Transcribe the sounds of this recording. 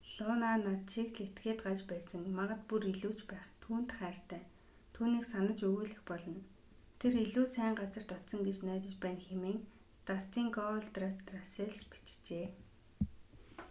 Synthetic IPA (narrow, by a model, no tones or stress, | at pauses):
ɮʊːnanat̪ʃikɮet̪ɡeːt̪̚ɢat͡ɕpæːsə̆ŋmaʁə̆t̪̚puɾiɮuːt͡ɕpæːχt̪ʰuːn̥t̪χæːr̥t̪æː | t̪ʰuːniːksanə̆t͡ɕɵɣuːɮɘ̆xpɔɮɞ̆n | t̪ʰeɾiɮuːsæːɴɢat͡sə̆r̥t̪ɔt̪sɞ̆ŋɡet͡ɕnæːt̪ə̆t͡ɕpæːnxemeːŋ | t̪ast̪iːŋɡɔɮt̪rast̪raseɮspi̥t͡ɕt͡ɕeː